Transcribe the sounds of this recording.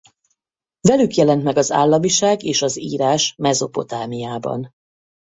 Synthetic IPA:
vɛlykjɛlɛnt̪mɛɡɒza̰ːlːɒmiʃaːɡeːʃɒzḭːɾaːʃmɛzo̞po̞t̪aːmijaːbɒ̰n

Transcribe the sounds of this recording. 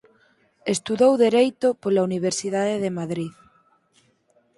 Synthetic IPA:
est̪uðowðeɾejt̪opolauniβ̞eɾsið̞aðeðemaðɾið

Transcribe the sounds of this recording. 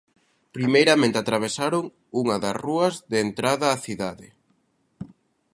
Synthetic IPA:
pɾimejɾɐmẽnt̪eat̪ɾaβ̞esaɾoŋ | uŋɐðɐsruɐzðeːnt̪ɾaðɐːθiðaðɪ

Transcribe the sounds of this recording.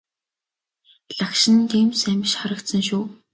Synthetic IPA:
ɮakʃɪ̆nt̪eːmsæmʲɪ̆ʃχɔɾə̆kt̪sə̆ŋʃuː

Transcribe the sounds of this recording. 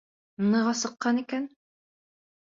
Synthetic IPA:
nɤ̆ʁɑsɤ̆qːɑnikæn

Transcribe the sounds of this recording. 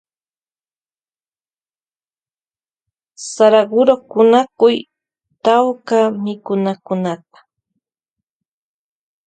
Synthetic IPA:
saɾaɢʊɾokʊnakʊj | t̪awkamɪkʊnakʊnat̪̚ḁ

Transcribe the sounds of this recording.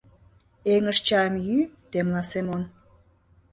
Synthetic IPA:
eŋəʃt͡ɕɑəmjyt̪emlɑsemon

